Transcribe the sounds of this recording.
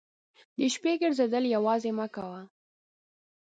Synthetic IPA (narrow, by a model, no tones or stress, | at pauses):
d̪əʃpeɡəɽzad̪əljawɑzemakawa